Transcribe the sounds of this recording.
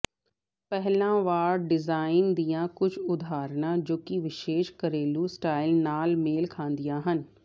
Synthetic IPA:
pɛɦlãʋaːɾɖɪzaːɪnd̪ijãkʊd͡ʒʱʊd̪ʱaːɾnad͡ʑoːkiʋɪʃeːʃkɐɾeːlusʈaːɪlnaːlmeːlkʰãːnd̪ijãːɦənɪ̆

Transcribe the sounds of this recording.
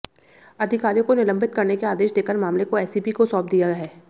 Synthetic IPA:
ɐd̪ʱɪkaːɾijõkonɪlə̃mbɪt̪̚kɐɾnekeaːd̪eːʃd̪eːkəɾmaːmlekoɛːsipikosɔːp̚d̪ijaɦɛː

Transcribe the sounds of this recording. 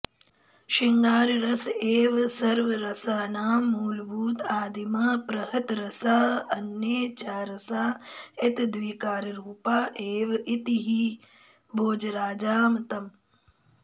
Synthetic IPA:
ʃiŋɡaːɾɾɐseːʋsɐɾʋɐɾɐsaːnaːmːuːlbuːt̪aːd̪imaːpɾɐɦɐt̪ɾɐsaːɐnːeːt͡ʃaːɾɐsaːɪt̪d̪ʋiːkaːɾɾuːpaːʔeːʋit̪iɦi | bʱoːd͡ʒɾaːd͡ʒaːmt̪ɐm

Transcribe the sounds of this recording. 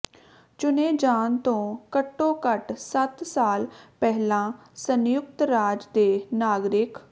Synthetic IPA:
t͡ʃʊneːd͡ʒaːnt̪õːkəʈːõːkəʈsət̪saːlpɛːɦlãː | sənjʊkt̪ɾaːd͡ʒd̪eːnaːɡɾɪk

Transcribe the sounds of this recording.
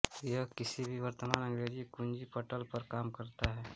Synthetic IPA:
jəkɪsibʱiʋɐɾt̪əmaːnə̃ŋɾeːɾd͡ʒikʊ̃nd͡ʒipəʈəlpɐɾkaːmkɐɾt̪aɦɛː

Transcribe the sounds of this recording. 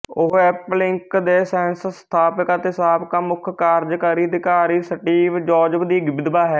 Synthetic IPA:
ʊɦɛːplɪŋkd̪eːsɛ̃ːnsst̪ʰaːpəkat̪ːɪsaːpkaːmʊkʰkaːɾd͡ʒkəɾiːd̪ɪkaːɾiːsəʈiːʋd͡ʒɔːd͡ʒəbd̪iːɡɪbɪd̪baːɦɛː

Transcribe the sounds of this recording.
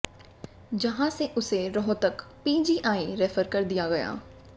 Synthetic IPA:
d͡ʒɐɦãseʔʊseɾɔɦot̪ɐkpiːd͡ʒiʔaːĩɾɛːfʰəɾkɐɾd̪ijaɡɐja̰ː

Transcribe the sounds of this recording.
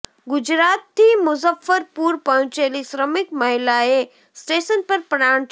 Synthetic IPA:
ɡud͡ʑɾat̪ːiːmʊzəfːəɾpuːɾpəɦt͡ʃelisɾəmikməɦilae | sʈesənpəɾpɾaɳ

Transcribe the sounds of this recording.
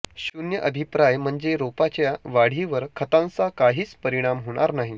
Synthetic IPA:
ɕunjəʔəb̪ʱipɾajm̤əɳd͡zeɾopat͡ɕjaʋaɽ̤iʋəɾkʰət̪ãnt͡sakaɦiːt͡spəɾiɽ̃amɦoɽ̃aɾnaɦi

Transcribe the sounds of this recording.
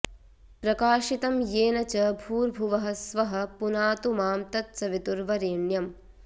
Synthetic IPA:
pɾɐkaːʃit̪ɐmjeːnɐt͡ʃɐbʱuːɾbʱuʋɐɦɐsʋɐɦɐ̆punaːt̪umaːmt̪ɐt̪sɐʋit̪uɾʋɐɾeːɳjɐm

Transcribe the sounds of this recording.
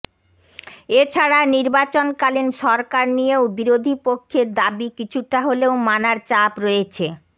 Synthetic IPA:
et͡ɕʰaɽaniɾbat͡ɕonkalinʃɔɾkaɾnijeobiɾod̪ʱipokʰːeɾd̪abikit͡ɕʰuʈaɦoleomanaɾt͡ɕapɾoet͡ɕʰe

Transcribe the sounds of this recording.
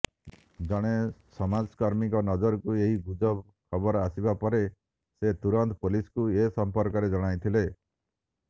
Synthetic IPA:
d͡ʒɔɽ̃esɔmad͡ʒkaɾmikɔnɔd͡ʒɔɾɔkueɦibud͡ʒɔb | kʰɔbɔɾasibapɔɾe | set̪uɾɔnt̪ɔpuliskuesɔmpɔɾkɔɾed͡ʒɔɽ̃ajt̪ʰile

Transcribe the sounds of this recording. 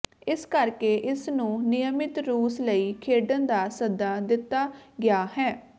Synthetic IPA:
ɪskəɾkeːʔɪsnũːnɪjəmɪt̪ɾuːsləiːkʰeːɖənd̪aːsəd̪aːd̪ɪt̪ːaːɡɪjaːhɛː

